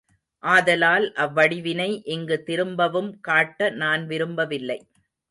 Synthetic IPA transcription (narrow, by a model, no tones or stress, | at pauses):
ʔaːðɐlaːlʔɐʋːɐɽɪʋɪnɐɪʔɪŋɡɯt̪ɪɾɯmbɐʋɯmkaːʈːɐnaːnʋɪɾɯmbɐʋɪlːɐɪ